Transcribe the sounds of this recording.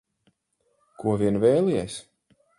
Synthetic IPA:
kuɔviɛnvɛːlˠiɛs

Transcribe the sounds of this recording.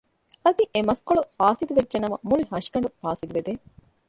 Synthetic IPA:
ɐd̪iʔemɐskoɭufaːsit̪uʋedd͡ʒenɐmɐmuliɦɐʃkɐɳɖufaːsit̪uʋed̪eː

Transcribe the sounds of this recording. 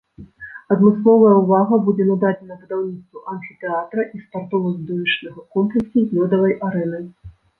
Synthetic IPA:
ɐd̪mɨslˠɔvɐjɐuvaɣɐbud͡zʲɛnɐd̪ad͡zʲɛnɐvɨd̪awnʲit̪st̪vuʔanfʲit̪ɛat̪ɾɐʔispart̪ɔvɐzʲd̪ɔvʲit͡ʂnɐɣɐkɔmplʲɛksʲuzlʲɔd̪ɐvɐjʔaɾɛnɨ

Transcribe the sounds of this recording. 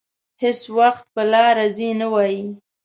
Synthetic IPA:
hɪswaxt̪̚pəlɑɾazinawɑji

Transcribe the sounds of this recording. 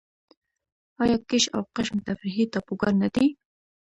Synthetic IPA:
ɑjɑkɪʃa̰wqɪʃmt̪afɾɪɦit̪ɑpuɡaɾnad̪i

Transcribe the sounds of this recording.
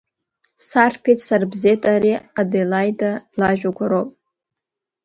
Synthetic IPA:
sarpʰetʰʼsarbzetʼaɾiadelajdʼalaʒᶣaɡʷʰaɾopʼ

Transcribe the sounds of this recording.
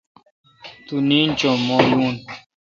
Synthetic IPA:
t̪uniːnt͡ɕomojuːn

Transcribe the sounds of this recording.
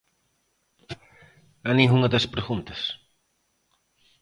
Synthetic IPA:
ɐnĩuŋɐd̪ɐspɾeɣũnt̪ɐs

